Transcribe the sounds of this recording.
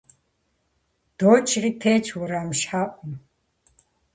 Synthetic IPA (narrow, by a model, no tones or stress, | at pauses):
d̪̥ɔːt͡ʃʰritʰɛːt͡ʃʰwuɾamʃħaʔʼum